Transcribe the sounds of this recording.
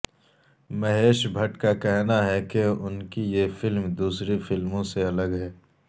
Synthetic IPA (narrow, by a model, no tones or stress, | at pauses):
mɐɦeːʃbʱɐʈkakɛɦnaɦɛkeʊnkijefɪlmd̪uːsɾefɪlmõseɐləɡɦɛː